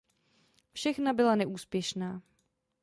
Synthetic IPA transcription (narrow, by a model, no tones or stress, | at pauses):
fʃɛxnabɪlanɛʔuːspjɛʃnaː